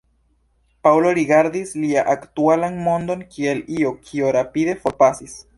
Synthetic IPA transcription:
pawlo̞ɾiɡaɾdisliaʔaktualanmo̞ndo̞nkʰie̞liokʰioɾapide̞fo̞ɾpasis

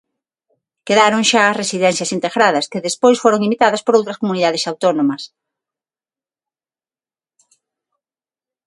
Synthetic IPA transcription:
keðaɾoŋʃaɐsresiðɛn̟θjɐsint̪eɣɾaðɐskɪðespojsfoɾoŋimit̪aðɐspoɾowt̪ɾɐskomuniðaðɪsawt̪onomɐs

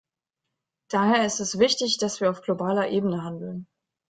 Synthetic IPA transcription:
d̥aːheːɐɪstɛsv̥ɪçtɪçd̥asv̥iːɐaʊfɡ̥lobaːlɐʔeːbənəɦandl̩n

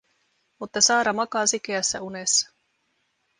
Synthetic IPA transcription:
mut̪ːɑsɑːɾɑmɑkɑːsik̟eæsːæunesːɑ̥

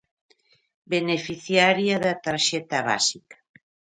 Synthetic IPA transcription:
benefiθjaɾjaðat̪aɾʃɛt̪aβa̰sikḁ

